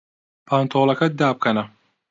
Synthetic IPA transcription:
pʰant̪ʰoːlɐkʰɐd̪aːp̚kʰɐnɐ

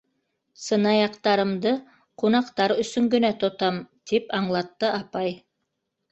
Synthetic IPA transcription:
sɤ̆nɑjɑqt̪ɑɾɤ̆md̪ɤ | qunɑqt̪ɑɾɵ̆sɵŋɡɵ̆næt̪ŏt̪ɑmt̪ipɑɴlˠɑt̪ːɤʔɑpɑj

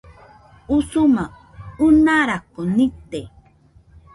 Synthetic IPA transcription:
usuma | unaɾakonit̪e

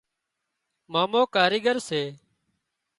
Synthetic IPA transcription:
maːmoːkaːɾiːɡəɾseː

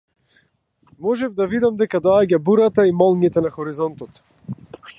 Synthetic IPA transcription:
mɔʒɛvd̪avid̪amd̪ɛkad̪ɔaɟabuɾat̪aimɔlˠɲit̪ɛnaxɔɾizɔnt̪ɔt̪

